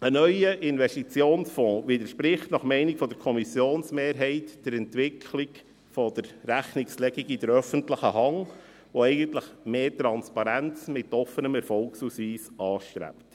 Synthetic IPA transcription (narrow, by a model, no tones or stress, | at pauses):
ənœʏəʔɪnvɛstit͡sjoːnsfɔ̃ːʋɪd̪əʃpɾɪχtnɑχmɛɪnikfɔd̥̪əɾkʰɔmisjoːnsmeːɾɦɛɪtd̥əɾɛntʋɪkʰlik | fɔd̥̪əɾːæχnɪkslɛɡiɡid̥əɾœfəntləχəɦɑŋ | ʋoɛɪɡəntləχmeːtɾɑnspɑɾænt͡smɪtɔfːənəmɛɾfɔlksusiːsɑːʃtɾæ̰pt